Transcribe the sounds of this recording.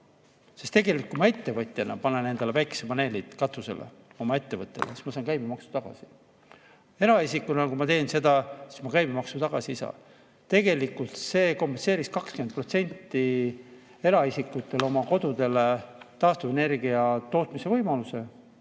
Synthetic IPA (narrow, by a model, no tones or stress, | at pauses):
sest̪e̞ɡe̞lik̚kːumɑe̞t̪ːe̞vɤt̪ʲːˑenɑpɑnene̞nd̪̥e̞levæjkːˑesepɑne̞ːlit̪kɑt̪use̞̰lḛ | o̞mɑe̞t̪ːe̞vɤt̪ːˑe̞lesi̥smɑsɑːnkæjbimɑksu̥t̪ɑɡ̥ɑ̰si | e̞ɾɑisikːˑunɑlkumɑt̪e̞ːnse̞d̪ɑsi̥smɑkæjbimɑksut̪ɑɡ̥ɑsiisɑ̰ | t̪e̞ɡe̞likult̪se̞ːko̞mpenseːɾiskɑkskymet̪̚pro̞t̪se̞nʲt̪ːˑi | e̞ɾɑisikːˑut̪ːˑe̞lo̞mɑko̞d̪̥ud̪e̞let̪ɑːst̪uve̞ne̞rɡ̥iɑt̪o̞ːt̪ˑmise̞vɤjmɑluse̞